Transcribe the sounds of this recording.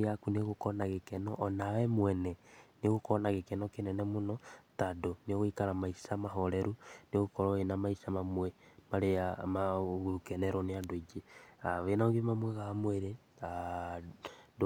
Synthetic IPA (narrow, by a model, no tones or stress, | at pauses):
akuneɣokɔnaɣekɛnɔʔːnawɛmwɛnɛneɣokɔnaɣekɛnɔkenɛnɛmonɔtadoneoɣoikaɾamaisamaɦɔɾɛɾuneɣokɔɾɔenamaisamamwɛmaɾeamaɣuɾukɛnɛɾɔneadoid͡ʒeaβenaɣiemamwɛɣaamweɾe | a | d